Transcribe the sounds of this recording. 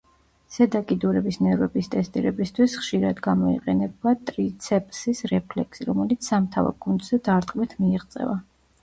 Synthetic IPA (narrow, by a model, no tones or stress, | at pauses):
sɛd̪akʼid̪uɾɛbisnɛɾɛbist̪ʼɛst̪ʼḭɾɛbist̪ʰwisχʃiɾad̪ɡamɔḭqʼɛnɛbat̪ʼɾit̪sʰɛpʼsisɾɛpʰlɛkʰsiɾɔmɛlit̪sʰsamt̪ʰava̰ɾɡund̪z̥ɛd̪aɾt̪ʼqʼmɛt̪ʰmiːʁt̪sʼɛ̰va